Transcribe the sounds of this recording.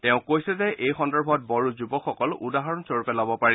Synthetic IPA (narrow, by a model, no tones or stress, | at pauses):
tɛ̃ʊ̃kojsɛzɛʔejxɔndɔɹbʱɔt̚bɔɹuzubɔkxɔkɔlʔudaɦaɹɔnsoɹupɛlabɔpaɹi